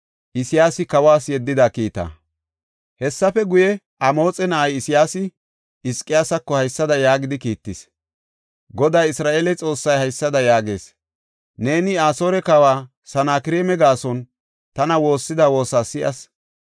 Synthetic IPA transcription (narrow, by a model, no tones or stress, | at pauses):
ʔɪsɪjaːsɪkɐwaːsjɛd̪ːɪd̪akiːt̪ɐ̰ | hɛsːɐfɛɡʊjɛ | ʔɐmo̞ːt͡sʼɛnɐʔɐjɪsɪjaːsɪ | ɪskʼːɪjaːsɐkːɔhɐjsːɐd̪ɐjaːɡɪd̪ɪkiːt̪ːɪs | ɡɔd̪aːjɪsɾaːʔeːlɛt͡sʼo̞ːsːɐjhɐjsːɐd̪ɐjaːɡe̞̰ːs | ne̞ːnɪaːso̞ːɾɛkɐwaː | sɐnaːkɪɾeːmɛɡaːsɔn | t̪ɐnɐwo̞ːsːɪd̪awo̞ːsaːsɪʔɐ̰s